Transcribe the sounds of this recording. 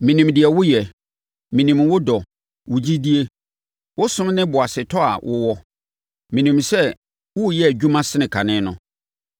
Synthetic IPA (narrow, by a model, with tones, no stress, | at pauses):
mĩ˨nĩ˨mdɪ˨ɛ˨wʊ˦jɛ˨ | mĩ˨nĩ˨mwʊ˦dɔ˨ | wʊ˨d͡ʑi˦di˦e˦ | wʊ˦sʊ̃˦m˦nɪ̃˦bʊ˨a˨sɪ˨tʰɔ˦a̰˨wʔʊ̰˦wɔ˦ | mĩ˨nĩ˨msɛ˦ | wʊ˦˨jɛ˦˨d͡ʑᶣu˦mã˦sɪ˦nɪ̃˨kʰa˨nɪ̃˦nʊ̰̃˦